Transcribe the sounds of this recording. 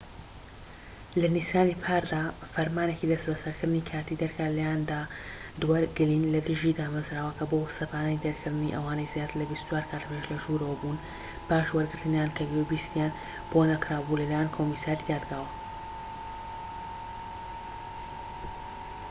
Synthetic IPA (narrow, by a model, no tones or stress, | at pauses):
lɐnisjaːnipʰaːɾd̪aːfɐɾmaːne̞cid̪ɐst̪bɐsɐɾkʰɨɾd̪ɨnikʰaːt̪id̪ɐɾkʰalɐjand̪aːd̪waɾɡɨliːnlɐd̪ɨʒid̪aːmɐzɾaːwɐkʰɐbosɐpaːnanid̪ɐɾkʰɨɾd̪ɨniʔɐwaːnɐjzjaːt̪ɨɾlɐbist̪u̥t͡ʃwaːɾkʰaːt̪peʃlɐʒuɾɐwɐbun | paːʃwɐɾɡɨɾt̪ɨnjankʰɐbiɛbiːst̪ijaːn | b̥onɐkɾaːbulɐlajaːnkʰomiːsaːɾid̪aːd̪ɡaːwɐ